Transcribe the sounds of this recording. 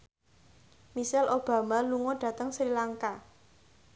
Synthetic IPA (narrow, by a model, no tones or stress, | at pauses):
misɛlʔob̥ä̤maluŋɔɖ̥ä̤t̪əŋsɾilaŋka